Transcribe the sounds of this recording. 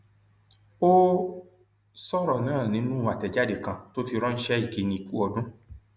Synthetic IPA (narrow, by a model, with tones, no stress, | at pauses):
o˦ | sɔ˦ɾɔ˨nãː˨˦˨nĩ˨˦nũ˦˨wa˨tɛ˨d͡ʒa˦de˦˨kã˧to˦fi˧ɾɔ̃˦n̩˦ʃɛ˦i˨ke˨˦nĩ˧˦i˨ku˦ɔ˧dũ˦